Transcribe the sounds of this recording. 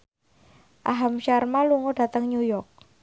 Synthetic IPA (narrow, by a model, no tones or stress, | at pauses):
ʔaɦamʃarmaluŋɔɖ̥ä̤t̪əŋɲujɔrk̚